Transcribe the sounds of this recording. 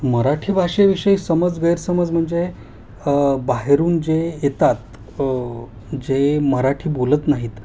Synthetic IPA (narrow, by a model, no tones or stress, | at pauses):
məɾaʈʰiːbʱaɕeʋiʂəisəməd͡zɡəjɾsəməd͡zm̤əɳd͡ze | baɦeɾuːnd͡ʑejet̪at̪ | d͡ʑeməɾaʈʰiːbolət̪naɦiːt̪